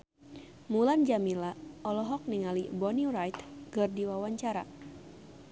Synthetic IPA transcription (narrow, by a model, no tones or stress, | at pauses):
muland͡ʒamilaɔlɔɦɔk̚niŋalibɔniɾajt̪kɨrdiwawaɲt͡ʃaɾa̰